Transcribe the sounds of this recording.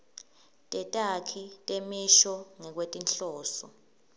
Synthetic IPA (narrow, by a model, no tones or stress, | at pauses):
tʼɛtʼakʰitʼemiʃɔŋɛk̬wetʼinɬɔːsɔ̰